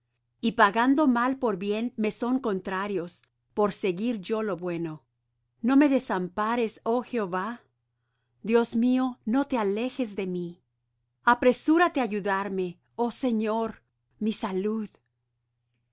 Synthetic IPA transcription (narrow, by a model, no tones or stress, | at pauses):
ipaɣand̪o̞malpo̞ɾbje̞nme̞so̞ŋko̞nt̪ɾaɾjo̞s | po̞ɾse̞ɣiɾʝo̞lo̞βwe̞no̞ | no̞me̞ðe̞sampaɾe̞so̞xeoβa | d̪jo̞smio̞no̞t̪eale̞xe̞zðe̞mi | apɾe̞suɾat̪e̞aʝuðaɾme̞ | o̞se̞ɲo̞ɾ | misaluð